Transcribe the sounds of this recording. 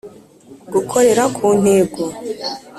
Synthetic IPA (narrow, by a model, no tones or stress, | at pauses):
ɡukʰo̞ɾe̞ɾakʰuːn̥heːbɡo